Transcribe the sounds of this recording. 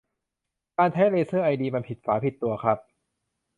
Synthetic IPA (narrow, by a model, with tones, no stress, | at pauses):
kaː˧nt͡ɕʰa˦˥jleː˧sɤː˥˩ʔa˧jdiː˧ma˧npʰi˨˩t̪̚faː˩˦pʰi˨˩t̪ːu˧ɐkʰɾa˦˥p̚